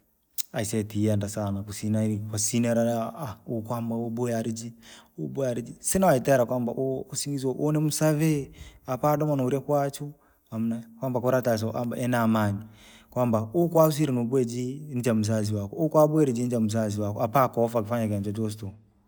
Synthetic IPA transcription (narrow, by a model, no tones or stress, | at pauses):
aisɛtiandasanakusinaiikasinɛɾaaaukwambaɔɓujaɾid͡ʒiuɓɔaɾid͡ʒisinawaitaɾakwamba̰ʔːsiŋɡizwaʔɔnɛmusavɛapaɗɔmanɔuɾiakwat͡ʃu | amunakwambakɔɾatas̬aʔa̰mba̰ʔɛnamani | kwambaukwaus̬iɾinuɓwɛd͡ʒinid͡ʒamuz̬aziwakɔukwaɓuɛɾid͡ʒinid͡ʒamuz̬aziwakɔapakɔfakifaɲakand͡ʒɔd͡ʒɔs̬tɔ